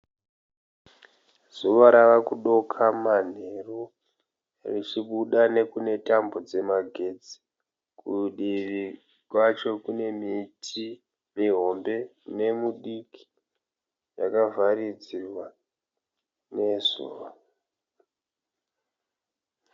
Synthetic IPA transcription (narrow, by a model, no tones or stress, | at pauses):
z̥uʋaɾaʋakuɗo̞kʰamane̞ro | rit͡ʃiɓuɗane̞kune̞tambo̞d͡ze̞maɡʱe̞d͡zi̥ | kuɗiʋi | kwat͡ʃo̞kune̞mitʰi | miɦo̞mbe̞ne̞muɗiki̥ | ja̰kavaɾid͡zirwa | ne̞zṵːʋa